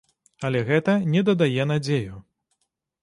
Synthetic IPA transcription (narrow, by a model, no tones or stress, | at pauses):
ɐlʲɛɣɛt̪ɐnʲɛd̪ɐd̪ajɛn̪ad͡zʲeju